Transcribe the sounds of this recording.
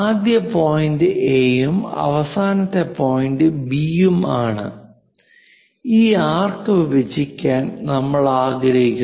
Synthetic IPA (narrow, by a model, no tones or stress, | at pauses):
aːd̪jɐpo̞ːjindɨʔeːjumɐ̰ʋɐsaːnɐt̪ːe̞po̞ːjindɨbijumaːɳɨ̰ | iːaːrkɨʋibɐd͡ʑikʲːaːnnɐmːɐɭaːɡɾɐɦikʲːu